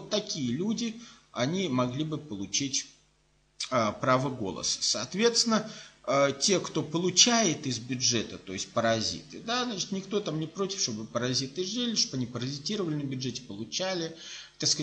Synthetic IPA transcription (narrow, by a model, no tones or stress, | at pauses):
vot̪ːɐkʲijəlʲudʲɪɐnʲimɐɡlʲibɨpəlˠʊt͡ɕitʲ | əpɾavəɡo̞̰lˠə̰sə̥sɐːt̪vʲe̞t̪st̪ʲɪnəətʲe̞kt̪o̞pəlˠʊt͡ɕæjɪt̪ɪzbʲʊʐɛt̪ət̪o̞̰ɪsʲt̚ʲpəɾɐzʲḭt̪ɨ̰d̪aznat͡ɕɪ̥t̪nʲɪkt̪o̞t̪amnʲɪpɾo̞tʲɪ̥fʂt̪o̞bɨpəɾɐzʲit̪ɨʐɨlʲɪʂt̪obɐnʲipəɾɐzʲɪtʲiɾəvəlʲɪnəbʲʊdʐɛtʲɪ̥pəlˠʊt͡ɕælʲɪt̪askə